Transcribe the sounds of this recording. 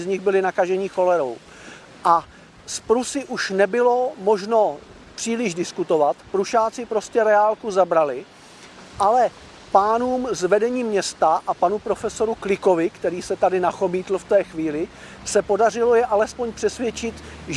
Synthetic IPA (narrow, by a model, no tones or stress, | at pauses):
zɲɪɣbɪlɪnakaʒɛɲɪxo̞lɛɾow | ʔa | spɾusɪʔuʃnɛbɪlo̞mo̞ʒno̞ | pr̥iːlɪʒdɪskut̪o̞vat̪pɾuʃaːt͡sɪpɾo̞scɛɾɛaːlkuzabɾalɪ | ʔalɛ | paːnuːmzvɛdɛɲiːmɲɛst̪aʔapanupɾo̞fɛso̞ɾuklɪko̞vɪkt̪ɛɾiːsɛt̪adɪnaxo̞miːt̪l̩ft̪ɛːxviːlɪ | sɛpo̞dar̝ɪlo̞jɛʔalɛspoɲpr̥ɛsvjɛt͡ʃɪt̪ʒ